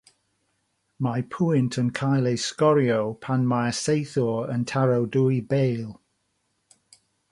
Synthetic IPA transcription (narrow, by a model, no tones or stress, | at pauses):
majpʰuɪntʰənkʰajlejskɔɾiowpʰanmajsejθɔəntʰaɹowduibejlˠ